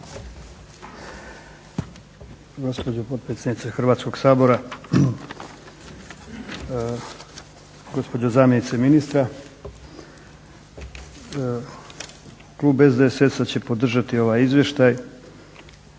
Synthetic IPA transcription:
ɡo̞spod͡ʑopo̞t̪̚pɾesʲednit̪sexr̩ʋaːt̪sko̞ɡsaːbo̞ɾa | ɡo̞spo̞d͡ʑozaːmje̞nit̪seminist̪ɾa | kluːbe̞zd̪eesesat͡ɕe̞po̞d̪r̩ʒat̪io̞ʋaːjizʋje̞ʃt̪aj

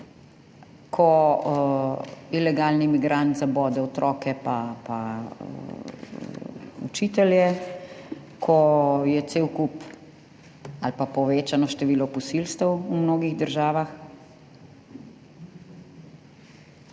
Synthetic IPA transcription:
kʰɔ | ilɛɡalnimiɡɾant̪zabɔːd̪ɛɔt̪ɾʔɔːkɛpapa | ṵt͡ʃiːt̪ɛljɛ | kʰɔjɛt̪seːwkup | alpapɔʋeːt͡ʃanɔʃt̪ɛʋiːlɔpɔsilst̪əwumnoːɡiɣd̪əɾʒaːʋax

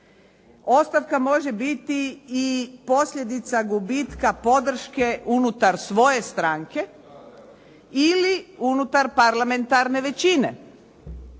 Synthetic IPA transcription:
o̞st̪aʋkamo̞ʒe̞bit̪iː | po̞sʎʲe̞d̪it̪saɡubit̪kapo̞d̪r̩ʃkeunut̪aɾsʋo̞je̞st̪ɾaŋke̞ | iliunut̪aɾpaɾlame̞nt̪aɾne̞ʋe̞t͡ɕinḛ

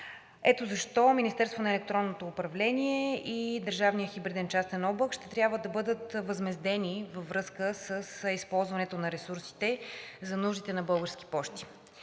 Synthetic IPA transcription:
ɛt̪ozɐʃt̪ɔminist̪ɛɾst̪vonɐɛlɛk̚t̪ɾɔnːot̪oːpɾɐvlɛnʲiɛid̪əɾʒavnijəxibɾid̪ɛnt͡ʃast̪ɛnɔblˠəkʃt̪ɛt̪ɾʲjabvəd̪ɐbɤd̪ət̪vəzmɛzd̪ɛnivəvɾɤskəsəsispɔlˠzvɐnɛt̪onɐɾɛsuɾsi̥t̪ɛzɐnuʒd̪it̪ɛnɐbɤlˠɡəɾsk̟i̥pɔʃt̪i̥

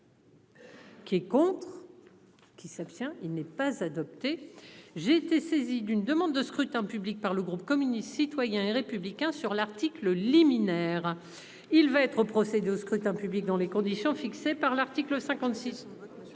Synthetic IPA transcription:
kʲiɛkɔ̃t̪χ | kʲisapst̪jɛ̃ilnɛpazad̪ɔp̚t̪eʒeːt̪esezid̪ynd̪əmɑ̃d̪ːəskχyt̪ɛ̃pyblik̚paʁləɡʁup̚kɔmynist̪sit̪wajɛ̃eʁepyblikʲɛ̃syʁlaʁt̪ikləliminɛːʁ | ilvaɛt̪χopχɔsed̪eoskχyt̪ɛ̃pyblik̚d̪ɑ̃lekɔ̃d̪isjɔ̃fiksepaʁlaʁt̪ikləsɛ̃kɑ̃t̪sis

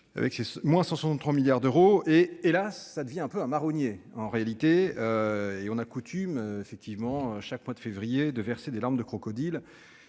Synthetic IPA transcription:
a̰vɛ̰ksesmwɛ̃sɑ̃swɛsɑ̃nt̪χwamiljaʁd̪øʁoeːlasːad̪əvjɛ̃ɛ̃pøɛ̃maʁɔnjeɑ̃ʁealit̪eøeɔ̃nakut̪ʰymøefɛk̚t̪ʰivmɑ̃øʃakmwad̪əfevʁijed̪əvɛʁsed̪elaʁmd̪əkχɔkɔd̪il

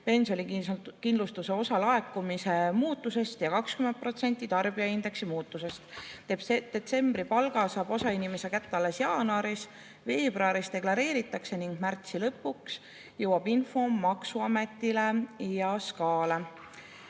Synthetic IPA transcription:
pe̞nsjo̞nʲikind̪lust̪use̞o̞sɑlɑe̞kːˑumise̞muːt̪ːˑuse̞st̪jɑkɑkskymen̚pro̞t̪se̞nʲt̪ˑːit̪ɑrb̥ijɑind̪e̞ksimuːt̪ːˑuse̞st̪ | t̪e̞t̪se̞mbripɑlɡ̥ɑsɑːb̥osɑinimese̞kæt̪ːˑɑle̞sjɑːnɑɾis | ve̞ːb̥roɑɾist̪e̞klɑɾe̞ːɾit̪ːˑɑkse̞niŋɡ̥mært̪silɤpːuks | jɤwɑb̥info̞ːɑksuɑme̞t̪ːˑile̞jɑskɑːle̞

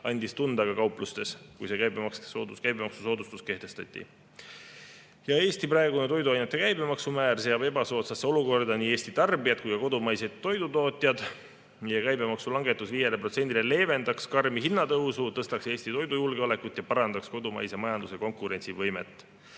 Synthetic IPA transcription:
ɑnʲd̪ist̪und̪̥ɑɡ̥ɑkɑwplust̪e̞skujse̞kæjbemɑkssoːd̪uskæjbe̞mɑksuso̞ːd̪ust̪uske̞ht̪e̞st̪ɑ̰t̪ʲːˑḭ | jɑe̞ːst̪iprɑeɡunet̪o̞jd̪uɑjnut̪ːˑe̞kæjbe̞mɑksumæːrse̞ɑbe̞bɑso̞ːt̪sɑsːeo̞luko̞rd̪̥ɑniːe̞ːsʲt̪it̪ɑrbiɑt̪̚kujkɑko̞d̪umɑjset̪ːo̞jd̪ut̪o̞ːt̪ʲˑjɑd̪̥ | nijekæjbe̞mɑksulɑŋɡe̞t̪ːˑusviːjelepro̞t̪se̞nʲd̪ile̞le̞ːve̞nd̪̥ɑkskɑrmiɦinːɑt̪ɤwsut̪ɤst̪ɑkse̞ːst̪it̪o̞jd̪ujulɡ̥eole̞kut̪ːˑjɑpɑɾɑnd̪̥ɑksko̞d̪umɑ̰jsemɑjɑnd̪useko̞ŋkuɾe̞nʲsivɤjme̞̰t̪ːˑ

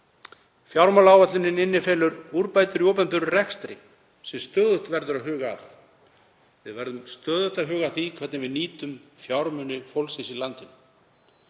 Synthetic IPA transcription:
fjawɾmalawvat̪lɪnɪnɪnːɪfɛːlʏɾuɾpaːjt̪ʏɾjowpɛnpʏɾʏrɛkst̪ɾɪ̰ | sɛmst̪œːðʏt̪vɛɾðʏɾaðɦʏːɣaːθ | vɪðvɛɾðʏmst̪œːðʏht̪aðɦʏːɣaθikʰvɛɾt̪nɪvɪðniːt̪ʏmfjawɾmʏnʏfowlsɪsilant̪ʏm

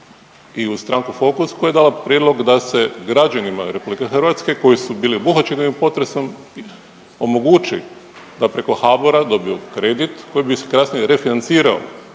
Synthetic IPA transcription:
iust̪ɾaŋkufo̞kuskoje̞d̪aːlapɾʲjed̪lo̞ɡd̪ase̞ɡɾad͡ʒanimaɾepublikexr̩ʋat̪ske̞ko̞jisubiːlibuxat͡ʃenoʋimpo̞t̪ɾe̞so̞m | i | o̞mo̞ɡut͡ʃi | d̪apɾe̞ko̞xaboɾad̪o̞bio̞kɾe̞d̪it̪ko̞jibisekɾasniɾe̞finant̪siːɾao̰

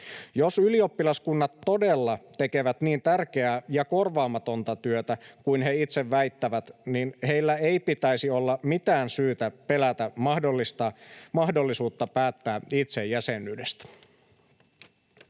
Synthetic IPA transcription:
jo̞sylio̞pːilɑskunːɑt̪ːo̞de̞lːɑt̪e̞ke̞ʋæt̪niːnt̪ærk̟eæjɑko̞rʋɑːmɑt̪o̞nt̪ɑt̪yøt̪ækujnɦe̞it̪seʋːæjt̪ːæʋæt̪ninhe̞jlːæe̞jpit̪æjsio̞lːɑmit̪æːnsyːt̪æpe̞læt̪æɑdolːist̪ɑmɑɦdo̞lːisuːt̪ːɑpæːt̪ːæːit̪se̞jːæsenːyːdest̪æ̥

